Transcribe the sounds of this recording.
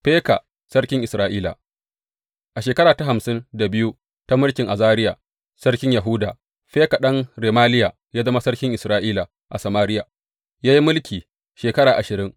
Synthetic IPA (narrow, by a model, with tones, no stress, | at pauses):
ɸeː˦ka̰˨ | sɐ˦ɽkʲɪ˦ŋʔɪ˨sɾaː˦ʔiː˦la̰˨ | ʔa˨ʃeː˨kɐ˦ɾaː˨ta˦ɦa˨msɪ˦nda˨bɪ˦ju˦ | ta˦mʊ˦lkʲɪ˨ŋʔa˨zaː˦ɾɪ˦ja˨ | sɐ˦ɽkʲɪ˦ɲja˨ɦʊ˦daː˨ | ɸeː˦ka˨ɗɐ˦ŋɾeː˨maː˦lɪ˦ja˨ | jaː˦zɐ˦ma˦sɐ˦ɽkʲɪ˦ŋʔɪ˨sɾaː˦ʔiː˦la˨ | ʔa˨sɐ˨maː˦ɾɪ˦jaː˨ | jaː˦ji˦mʊ˦lkʲiː˨ | ʃeː˨kɐ˦ɽaː˨ʔa˨ʃɪ˨ɾɪ˦ŋ